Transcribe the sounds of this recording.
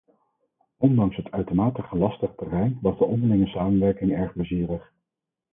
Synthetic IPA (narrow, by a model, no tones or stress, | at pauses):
ɔndɑŋsɦətʰœɥtəmaːtəχəlɑstəχtərɛjnʋɑzdəɔndəɹlɪŋəsaːmənʋɛɹkɪŋɛɹχbləziːrəχ